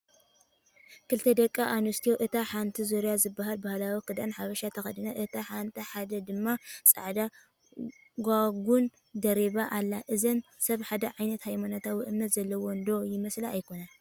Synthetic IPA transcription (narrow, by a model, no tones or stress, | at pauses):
kɨlt̪ʰɐd̪ɐkʼːaʔanust̪ʰijoʔɨt̪ʰaħant̪ʰizoɾjazɨbːaɦalbahalawikɨd̪anħaβɐʃat̪ʰɐxɐd̪ɨnaʔɨt̪ʰaħant̪ʰɐħad̪ɐd̪ɨmːasʼa̰ʕd̪a | ɡʷaɡun | d̪ɐɾeβaʔalːaʔɨzɐnsɐβħad̪ɐʕajnɐt̪hajmanot̪ʰawiʔɨmnɐt̪z̥ɐlːɐwond̪o̞jɪmɐslaajkʰo̞na